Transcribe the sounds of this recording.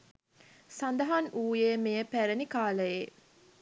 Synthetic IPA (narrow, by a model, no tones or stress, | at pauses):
sand̪ɐɦanuːjeːmejəpæɾənikaːləje